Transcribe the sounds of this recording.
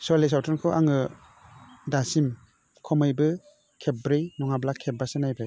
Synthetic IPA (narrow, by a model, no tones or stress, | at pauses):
sɔles̬awtʰɔnkʰɯʔaŋɯ | dasim | kʰɔmɯjbɯ | kʰep̚bɾɯjnɔŋablakʰep̚basɯnajbɯ